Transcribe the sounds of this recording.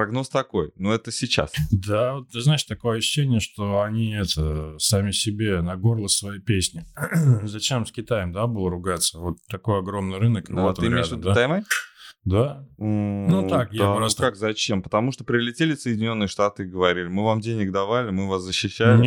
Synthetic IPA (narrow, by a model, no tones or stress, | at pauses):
pɾɐɡno̞st̪ɐkojnuɛt̪əsʲɪt͡ɕa̰sd̪avot̪ːɨznaɪʂt̪ɐko̞jəəɕɕːɕːenʲɪjəʂt̪o̞ɐnʲiɛt̪əsamʲɪsʲɪbʲenɐɡo̞rlˠəsvɐjipʲesʲnʲɪzɐt͡ɕe̞msʲkʲɪt̪ajəmd̪abɨlˠəɾʊɡat̪səvo̞t̪ːɐko̞jɐɡɾo̞mnɨjɾɨnək̪ot̪əɨmɾʲead̪d̪at̪ɐjmad̪a | nut̪akjapɾasakzɐt͡ɕempə̥t̪ɐmuʂt̪opɾʲɪlʲɪtʲelʲɪsəjdʲɪnʲo̞nːɨjəʂt̪at̪ɨɪɡəvɐɾʲilʲɪmɨvamdʲenʲɪɡd̪ɐvalʲɪmɨvaszəɕːɪɕːælɪ